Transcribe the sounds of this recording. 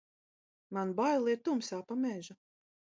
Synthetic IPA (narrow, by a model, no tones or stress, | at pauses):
manbajlˠiɾt̪umsaːpamɛʒu